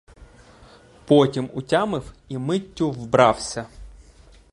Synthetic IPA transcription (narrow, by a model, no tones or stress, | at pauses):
pɔtʲimʊtʲamɪw | imɪtʲːʊwbɾɑwsʲɐ